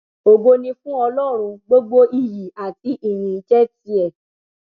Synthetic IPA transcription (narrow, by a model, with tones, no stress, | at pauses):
o˨ɡo˧nĩ˧fũ˦ɔ˧lɔ˦˨ɾ̃ũ˧ɡ͡bo˦ɡ͡bo˦ʔi˦˨ji˨a˨ti˨˦ʔi˦˨j̃ĩ˨i˦t͡ʃɛ˦ti˧˦ɛ˨